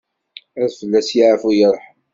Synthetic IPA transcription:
æðfəlːæsjiʕəfujəɾˤħ

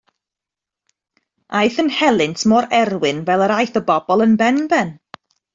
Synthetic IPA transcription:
ajθənhɛlˠɨntʰmɔɾɛrwɪnvɛlˠəɾajθəbɔbɔlˠənbɛnbɛn

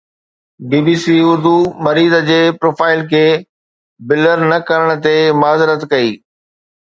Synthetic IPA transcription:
biːbiːsiʊɾd̪umɐɾiːd̪əd͡ʑeːpɾoːfaːɪlkʰeː | bɪləɾnɐkəɾəɽ̃̆t̪emaːzɪɾət̪kɐiː

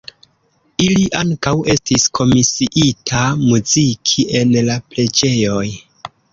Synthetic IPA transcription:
iliʔaŋkawe̞stiskʰo̞misiʔitʰamuzikʰie̞nlaple̞d͡ʒe̞jo̞j

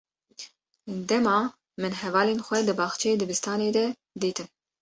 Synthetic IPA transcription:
d̪ɛmɑː | mɨnɦɛvɑːlenxʷɛd̪ɨbɑːxt͡ʃʰɛjed̪ɨbɨst̪ɑːneːd̪ɛ | d̪iːt̪ɨn

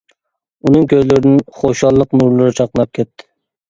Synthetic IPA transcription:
unɨŋkʲʰøjlɪɾɪnɪnχoʃɑlˠːəqnuɾlˠɨɾt͡ʃʰɑqlˠənɑp̚kʲʰɛt̪ʰːɪ̥

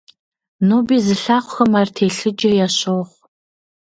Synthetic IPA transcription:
noːbiːzɨɬaːχʷxɐmaːrtʰeːɬɨd͡ʒɐjaːɕoːʁʷ

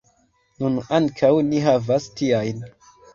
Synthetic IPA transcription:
nunaŋkʰawniɦavastiajn

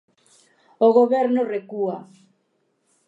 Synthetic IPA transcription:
oɣoβɛɾnorekua

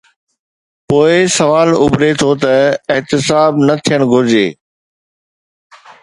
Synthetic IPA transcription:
poːɪsɐʋaːlʊbɾet̪ʰot̪ɐɪɦt̪ɪsaːbnɐt̪ʰijəɽ̃ɡʱʊɾɪd͡ʑeː

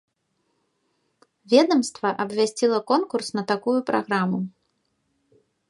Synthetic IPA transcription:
vʲɛd̪ɐmst̪vɐʔɐbvʲasʲt͡sʲilˠɐkɔnkursnɐt̪akujupɾa̰ɣɾamu

